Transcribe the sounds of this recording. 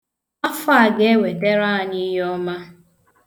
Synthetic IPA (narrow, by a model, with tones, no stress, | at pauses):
a˦fa˦a˦˨ɡe˨e˦we˨de˦ɾa˦˨ni˦ɦɔ˦ma˦